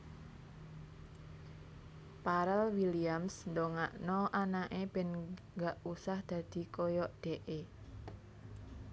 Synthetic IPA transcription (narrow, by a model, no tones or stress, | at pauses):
paɾɛlwiliamsnd̪ɔŋaʔnɔʔanaʔeb̥e̤nŋɡaʔusahd̪̥ä̤d̪̥i̤kɔjɔʔɖ̪̥eʔe